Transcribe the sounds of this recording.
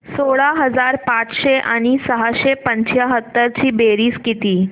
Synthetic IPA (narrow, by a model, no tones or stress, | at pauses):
soɭaɦəd͡zaɾpat͡sɕeʔaɽ̃isəɦaɕepəɲt͡ɕjaɦət̪ːəɾt͡ɕiːbeɾiːskit̪iː